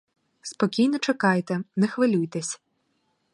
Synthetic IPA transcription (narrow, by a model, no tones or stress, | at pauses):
spɔkʲijnɔt͡ʃɛkɑjt̪ɛnɛxʋɪlʲujt̪ɛsʲ